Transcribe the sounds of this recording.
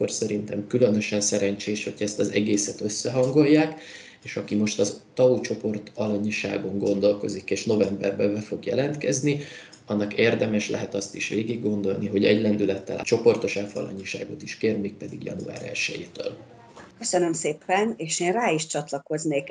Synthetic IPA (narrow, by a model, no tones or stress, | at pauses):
orsɛɾint̪ɛmkylø̞nø̞ʃɛnsɛɾɛɲt͡ʃeːʃho̞̰cʰɛst̪ɒzɛɡeːsɛt̪ø̞sːɛɦɒŋɡo̞jːaːk | eːʃɒkimo̞ʃt̪ɒzt̪ɒut͡ʃo̞po̞rt̪ɒlɒɲiʃa̰ːɡo̞ŋɡo̞nd̪o̞lko̞̰zikeːʃno̞vɛmbɛrbɛbɛfo̞ɡjɛlɛnt̪kɛzni | ɒnːɒkeːrd̪ɛmɛʃlɛ̰ɦɛt̪ɒst̪iʃʋeːɡiɡːo̞nd̪o̞lniɦo̞ɟɛ̰ɟlɛnd̪ylɛt̪ːɛ̰lʔt͡ʃo̞po̞rt̪o̞ʃaːfɒ̰lɒ̰ɲiʃa̰ːɡo̞t̪iʃkeːrmeːk̚pɛd̪iɡjɒ̰nṵa̰ːɾɛ̰lʃɛ̰jeːt̪ø̰ːl | køsønømseːpɛneːʃeːnraːiʃt͡ʃɒt̪lɒko̞zneːk